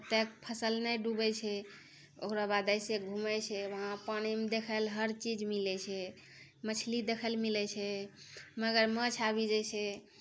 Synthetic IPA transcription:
pət̪ek̚pʰəsəlnəjɖubɛt͡ʃʰɛ | o̰kɾabad̪əjseɡʱumɛt͡ʃʰɛʋəɦãpañimd̪ekʰəlɦəɾt͡ʃid͡ʒmilɛt͡ʃʰɛ | mət͡ʃʰlid̪ekʰəlmilɛt͡ʃʰɛ | məɡəɾmət͡ʃʰabid͡ʒɛt͡ʃʰɛ

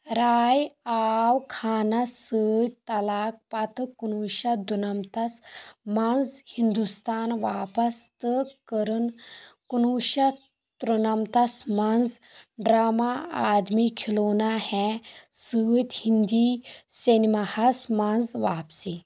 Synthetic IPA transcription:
ɾaːjaːwkʰaːnɐsɨːt̪ɐlaːk̚pɐt̪ɨkunuːʃɐd̪unɐmt̪ɐsmanzhind̪ust̪aːnʋaːpɐst̪ɨkəɾɨnkunuːʃɐ | t̪ɾunɐmt̪ɐsmanz | ɖɾaːmaaːd̪mikʰiloːnahɛsɨːt̪ʲhind̪iːsenimahɐsmanzʋaːpsi

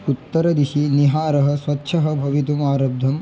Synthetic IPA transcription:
ut̪ːɐɾɐd̪iʃiniɦaːɾɐɦɐ̆sʋɐtːʃʰɐɦɐ̆bʱɐʋit̪umaːɾɐb̚d̪ʱɐm

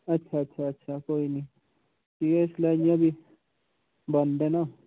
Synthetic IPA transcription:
ətːʃʰaətːʃʰaətːʃʰakoːini | k̪ieslaɡjãbʱi | bənd̪ena

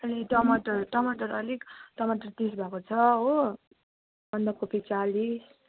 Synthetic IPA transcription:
ʌliʈʌmaʈʌrʈʌmaʈʌɾʌlikʈʌmaʈʌrt̪is̬bʱakot͡sʰʌɦo | bʱʌnd̪akopʰit͡salis

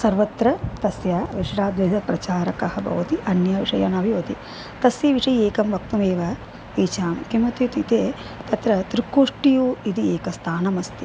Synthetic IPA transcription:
sɐɾʋɐt̪ɾɐt̪ɐsjaːʋiʂɾaːd̪ʋeːd̪ɐpɾɐt͡ʃaːɾɐkɐhɐbʱɐ̰ʋɐt̪iʔɐnjɐʋiʂɐ̰jɐ̰nɐʋijoːt̪i | t̪ɐsjɐʋiʂɐjeːkɐmʋɐk̚t̪umeːʋɐ | iːt͡ʃaːmkimɐt̪jut̪it̪eː | t̪ɐt̪ɾɐt̪ɾikːoːʂʈijuːid̪ieːkɐst̪ʰaːnɐmɐst̪i

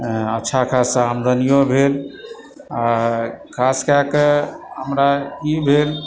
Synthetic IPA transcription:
ətːʃʰakʰasəmd̪ənijõbʱel | akʰaskakeɦəmɾakibʱel

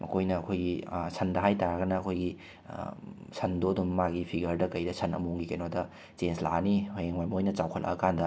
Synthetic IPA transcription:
mʔɐ̰kʰojnɐːkʰojɡisʰɐndɐɦajtaɾɐɡɐnɐːkʰojɡḭ | sʰɐndodumːaɡipʰiɡɐɾdɐkɐjdɐsʰɐnɐ̰muŋɡikenodɐ | t͡ʃensla̰nihʰojeŋmajmɐojnɐt͡ʃawkʰɐ̰lʔɐ̰ɐkandɐ

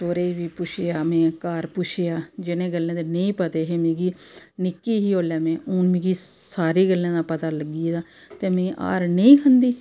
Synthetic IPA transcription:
soːɾeːiʋiːpʊʃejaːmɛ̃ːkaːɾpʊʃʰejaːd͡ʒɪnẽːɡəlːẽːd̪eːnẽĩːpət̪eːɦeːmẽːɡiː | nɪkːiːɦiːoːlɛːmẽːʊːnmĩːɡiːsaːɾiːɡəlːẽːd̪aːpət̪aːləɡiːd̪aː | t̪eːmẽːʔa̰ːɾneĩːkənd̪iː

